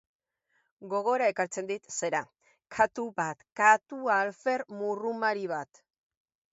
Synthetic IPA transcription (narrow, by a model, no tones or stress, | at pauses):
ɡo̞ɣ̞o̞ɾae̞kaɾt͡se̞nd̪it̪se̞ɾa | kʰat̪uβat̪kat̪ualfe̞ɾmurumaɾiβ̞at̪